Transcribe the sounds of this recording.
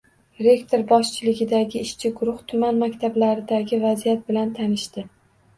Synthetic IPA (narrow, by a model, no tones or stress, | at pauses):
ɾe̞kt̪ʰo̞ɾbɒʃt͡ʃʰɪlɪɡʲɪd̪aɡʲɪːʃt͡ʃʰɪɡʊɾʊht̪ʰʊmanmakʲt̪ʰablaɾɪd̪aɡʲɪvazijat̪̚bɪlant̪ʰanɪʃt̪ɪ